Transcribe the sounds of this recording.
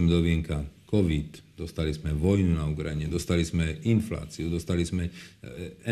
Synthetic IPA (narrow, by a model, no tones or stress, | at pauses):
mɛd̪ɔʋiɛŋkakɔʋit̪d̪ɔst̪alizmɛʋɔjnunauɡɾaɲɛd̪ɔst̪alizmɛinfla̰ːt͡siud̪ɔst̪alizmɛ | ɛ